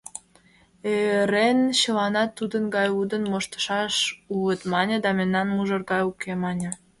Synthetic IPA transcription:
eɾenɕə̆lɑnɑt̪ːud̪ənɡɑjud̪ənmoʃt̪ə̥ʃɑʃuət̪mɑnʲə̆d̪ɑmemnɑnmuʒə̆rɣɑjukʰemɑnʲə̆

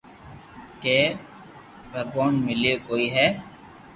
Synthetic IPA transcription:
keː | bʱəɡʋaːnmɪleːkoːiːɦɛː

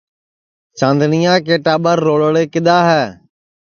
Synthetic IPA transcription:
t͡ʃãːnd̪nɪjãːk̬eːʈaːbəɾːoːɭəɭeːkɪd̪aːɦɛː

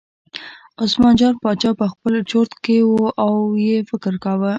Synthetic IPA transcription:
osmɑnd͡ʒɑɾpɑt͡ʃɑpəxpəlt͡ʃoɾt̪kewoʔawjefɪkɾkawə

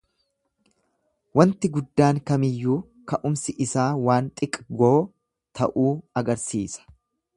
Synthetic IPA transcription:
wɐnt̪ɪɡʊd̪ːaːŋkɐmɪjːuː | kɐʔʊmsɪʔɪsaːwaːnt̪ʼɪkʼɡoː | t̪ʰɐʔuːɐɡɐɾsiːsɐ̥

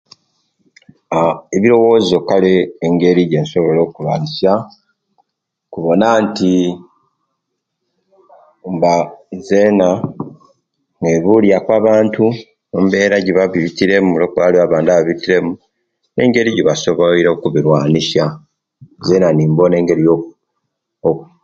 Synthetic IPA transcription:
eβiɾo̞wo̞ːzio̞kaleːŋɡe̞ɾiɟe̞nso̞βo̞lo̞ːkulwaːnisa | kuβo̞nanti | mbaze̞ːna | ŋɡeβuljakwaːβaːntu | ombe̞ːɾaɟiβaβiβitiɾe̞mulokuβaliβaβaːndaβaβitiɾe̞mu | ne̞̰ːŋɡe̞ɾiɟiβaso̞βoiɾokuβiɾwaːnisa | zeːnaniːmbo̞ne̞ːŋɡe̞ɾijo | oku

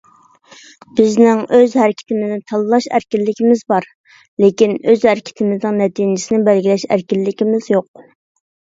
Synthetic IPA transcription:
b̥ɪznɪŋøzhɛɾɪkʲʰɪ̥t̪ʰɪmɪznɪt̪ʰɑlˠɨlˠɑʃæ̰ɾkʲilːɪkʲʰɪmɪzbɑɾ | lekʲinøzhɛɾɪkʲʰɪ̥t̪ʰɪmɪznɪŋnɛt̪ʰinɪsɪnɪbælɡʲilɛʃæ̰ɾkʲilːɪkʲimɪzjoq̚

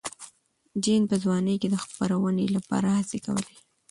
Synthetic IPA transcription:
d͡ʒinpəzwɑnəjked̪əxpaɾawənelapɑ̰ɾahaseka̰wə̰le

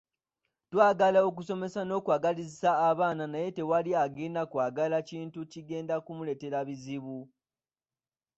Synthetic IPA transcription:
twaːɡalao̞k̬uso̞me̞sano̞ːkwaːɡalizisaːβaːnanaje̞te̞waliaɡeːndakwaːɡalaciːntuciɡe̞ːndakumule̞te̞ɾaβiziβu

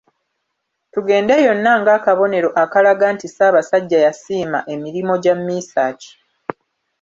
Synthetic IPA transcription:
tuɡe̞ːndejo̞nːaŋɡaːkaβo̞ne̞ɾo̞ʔakalaɡaːntisaːβasaɟːajasiːma̰ʔe̞miɾimo̞ɟamːiːsaːci̥

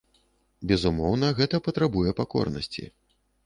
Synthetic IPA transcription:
bʲɛzumɔwnɐɣɛt̪ɐpɐt̪ɾabujɛpakɔ̰rnɐ̰sʲt͡sʲḭ

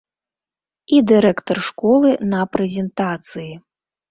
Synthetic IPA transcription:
id̪ɨɾɛkt̪ɐrʂkɔlˠɨnɐpɾɛzʲɛnt̪at̪sɨji

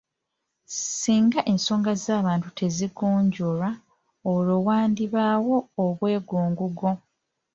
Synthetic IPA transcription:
siːŋɡaʔe̞nso̞ːŋɡazaːβaːntutʰe̞ziɡoːɲɟoɾa | olowaːndiβaːwo̞ːβwe̞ːɡoːŋɡuɡo

